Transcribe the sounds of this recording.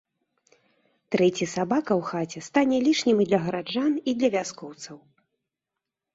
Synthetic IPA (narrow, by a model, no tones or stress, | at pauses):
t̪ɾɛt͡sʲisabakɐwxat͡sʲɛst̪anʲɛlʲiʂnʲimd̪lʲɐɣɐɾad͡ʐanid̪lʲɐvʲaskɔwt̪sɐw